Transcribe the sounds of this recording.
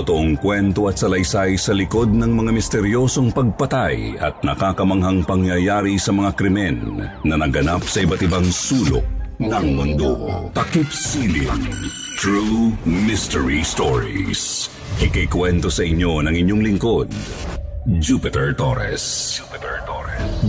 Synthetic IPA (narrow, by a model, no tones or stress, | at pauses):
t̪ot̪oʔoŋkwɛnt̪o̞ɐt̪̚sɐlɐjsajsɐlɪko̞d̪̚nɐŋmɐŋamɪst̪ɛɾjo̞ːso̞ŋpɐɡ̚pɐt̪ajɐ̰t̪̚nɐkaːkɐmɐŋɦɐŋpɐŋjɐjaːɾisɐmɐŋakɾɪmɛnːɐnɐɡɐnap̚sɐʔɪbɐt̪ɪbaŋsuːlo̰ʔnɐŋmʊnd̪o̰t̪ɐkipsiliŋ | t̪ɹumɪst̪ɛɹist̪oɹḭs | ʔɪkɐjkwɛnt̪o̞sɐʔɪɲːo̞nɐŋɪɲːo̞ŋlɪŋko̞d̪̚ | d͡ʒupɪt̪ɛɹt̪oɾɛ̰s